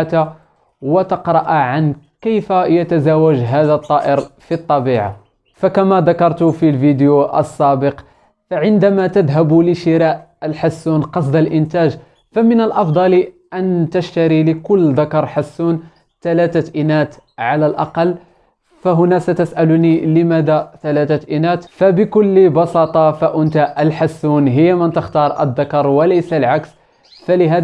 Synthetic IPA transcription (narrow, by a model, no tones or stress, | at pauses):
t̪a | wət̪əqɾˤɑʔʕankəjfajət̪azawəʒɦæd̪ət̪ˤːɑːʔəɾfit̪ˤːɑbiʕa̰ | fakæmæd̪ɑkɑɾˤt̪ʊfilvid̪juʔə̰sːæbəq | faʕɪnd̪æmat̪əd̪ɦæbuləʃɪɾɑʔəlħasːunqɑsˤd̪əlʔɪnt̪æʒ | famənəlʔɑfd̪ˤɑlʔænt̪əʃt̪aɾiləkʊlːd̪akɑɾˤħasːun | t̪ælæt̪aʔinæt̪ʕalælʔɑ̰qɑlː | faɦʊnæsæt̪əsʔæluniləmæd̪at̪ælæt̪aʔinæt̪fæbɪkʊlːbɑsɑt̪ˤɑfaʔʊnt̪aʔʔəlħasːunɦəjːamənt̪əxt̪ɑɾˤʔə̰d̪ːɑkɑɾˤwələjsalʕaks | fælɪɦæ